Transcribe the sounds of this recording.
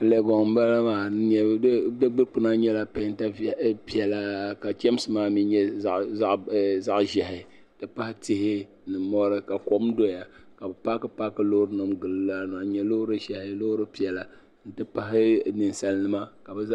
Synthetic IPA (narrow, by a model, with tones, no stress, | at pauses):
le˨ɡɔ˨ŋ˦ba˦la˦maː˨˦ɲɛ˦dɨ˦ɡ͡bɨ˦ɾk͡pɨ˦na˦ɲɛ˦la˦pa˦n˦ta˦˨˦pi˦ɛ˨la˦ka˨t͡ʃɛ˦m˦sɨ˦maː˦mi˦ɲɛ˦ | za˦ʔʒɛ˨ɦɪ˨ | tɨ˦pa˦hɪ˦tɪ˦hɪ˦ | nɨ˨mɔ˦ɾɨ˦ka˨ko˦mdo˦ja˨ka˨bɛ˨pa˦kɨ˦pa˦kɨ˦lo˦hʊ˦ɾɨ˦nɨ˨mɡɨ˨lɨ˨˦la˦na˨ɲɛ˨lo˦hɾɨ˦ʒɛ˨hɪ˦lo˦hʊ˦ɾɨ˦pi˦ɛ˨la˨ | n̩˦tɨ˦pa˦ɦɪ˦nɨ˨nsa˦nː˦ɨ˦ma˦ka˨bɨ˨˦